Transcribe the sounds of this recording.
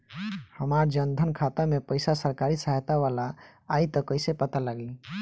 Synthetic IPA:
həmaɾd͡ʒənd̪ʱənkʰat̪amepəɪsasəɾkaɾisaɦt̪aʋalaː | it̪ɔkəɪsepət̪alaɡli

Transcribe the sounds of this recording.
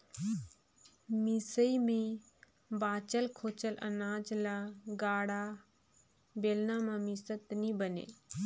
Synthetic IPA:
misəimẽ | baːt͡ʃəlkʰoːt͡ʃələ̰naːd͡ʒlaɡaːɽa | beːlnaːmãmisət̪nibənḛː

